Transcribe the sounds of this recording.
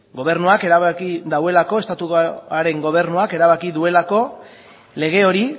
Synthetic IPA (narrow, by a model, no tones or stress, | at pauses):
ɡo̞β̞e̞ɾnuake̞ɾaβakiðawe̞lako̞e̞st̪at̪uɣaɾe̞ŋɡo̞β̞e̞ɾnuake̞ɾaβakiðue̞lako̞ | le̞ɣ̞e̞o̞ɾi